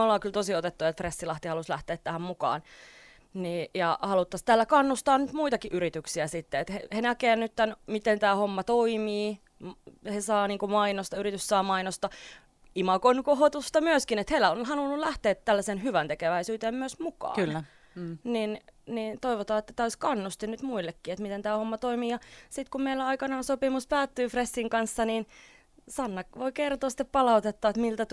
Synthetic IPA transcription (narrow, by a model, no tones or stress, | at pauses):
olːɑːkylt̪osiot̪et̪ːuet̪fresːilɑht̪ihɑluslæht̪eːt̪tæhæmmukɑ̰ːn | nijɑhɑlut̪ːɑst̪æːlːækɑnːust̪ɑːnyt̪muit̪ɑkiʔyɾit̪yksiæsit̪ːeet̪hehenækeːnnyt̪t̪ænmit̪ent̪æːhomːɑt̪oimiː | hesɑːniːŋkumɑinost̪ɑyɾit̪yssɑːmɑinost̪ɑ | imɑkonkohot̪ust̪ɑmyøskinet̪helæonhɑlunːullæht̪eːt̪tælːæsenhyʋænt̪ekeʋæisyːt̪eːmmyøsmukɑ̰ːlː | ninnint̪oiʋot̪ɑːet̪ːæt̪æːoiskɑnːust̪inyt̪muilːekːiːet̪mit̪ent̪æːhomːɑt̪oimiːjɑsit̪kummeilːæɑikɑnɑːnsopimuspæːt̪ːyːfresːiŋkɑnsːɑnin | sɑnːɑkʋoikert̪oːsi̥t̪ːeppɑlɑut̪et̪ːɑːet̪milt̪æt̪